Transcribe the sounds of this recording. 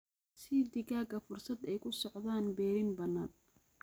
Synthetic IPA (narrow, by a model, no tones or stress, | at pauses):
sɪd̪ɪɣaːɡɐfʊrsɐd̪ɛjkʰʊsɔʕðaːnbɛːɾɪnbɐnːaːn